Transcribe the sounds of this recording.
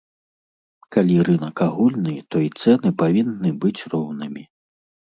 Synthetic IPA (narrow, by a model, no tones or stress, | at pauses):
kalʲiɾɨnɐkaɣulʲnɨt̪ɔit̪sɛnɨpavʲinːɨbɨt͡sʲrɔwnɨmʲi